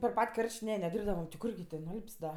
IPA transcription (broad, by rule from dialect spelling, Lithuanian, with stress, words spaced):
pʲɛr ˈpɐtʲ ˈkɐrʲʃʲtʲ ˈnʲɛ nʲɛˈdʲiːrbdɐʋɐm tʲɪ ˈkʊrʲɡʲɪ tʲeː nʊˈɐlʲpʲsʲ dɐ